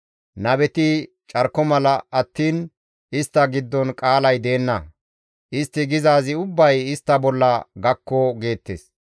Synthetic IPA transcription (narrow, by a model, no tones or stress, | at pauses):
nɐbɛt̪ɪ | t͡ʃʼɐɾkːɔmɐlɐɐt̪ːiːn | ʔɪst̪ːɐɡɪd̪ːɔnkʼaːlɐjd̪e̞ːnːɐ | ʔɪst̪ːɪɡɪzaːzɪʊbːɐjɪst̪ːɐbɔlːɐɡɐkːɔɡe̞ːt̪ːḛs